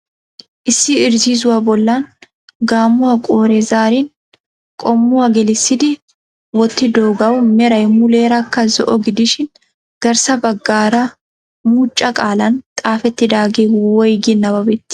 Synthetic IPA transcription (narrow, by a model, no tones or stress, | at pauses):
ʔɪsːɪɪɾziːz̬ʊwɐbɔlːan | ɡaːmːʊwɐkʼoːɾɛzaːɾɪn | kʼɔmːʊwɐɡɛlɪsːɪd̪ɪ | wɔt̪ːɪd̪oːɡɐwmɛɾɐjmʊleːɾɐkːɐzɔʔɔɡɪd̪ɪʃɪn | ɡ̥ɐɾsɐbɐɡːaːɾɐ | muːt͡ʃʼːɐkʼaːlɐnt̪ʼaːfɛt̪ːɪd̪aːɡeːwɔjɡɪnːɐbɐbɛt̪ːɪ̥